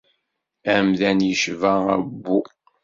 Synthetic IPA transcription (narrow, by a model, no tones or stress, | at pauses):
æmðænjəʃvææbːu